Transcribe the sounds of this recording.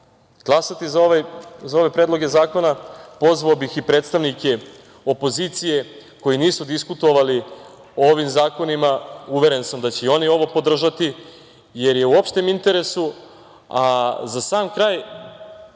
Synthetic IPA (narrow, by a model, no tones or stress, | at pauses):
ɡ̥lˠasat̪izaoʋajzao̞ʋe̞pɾe̞ːd̪lˠo̞ɡe̞zaːko̞napo̞zʋaobixipɾe̞ːt̪st̪aʋnike̞ | o̞po̞ziːt̪sije̞ko̞jiniːsud̪iskut̪o̞ʋali | ooʋimzaːko̞nimauʋe̞ɾe̞nsamd̪at͡ɕeio̞nio̞ʋo̞po̞d̪r̩ʒat̪i | je̞ɾje̞uo̞pʃt̪emint̪e̞ɾe̞su | azasaːmkɾaːj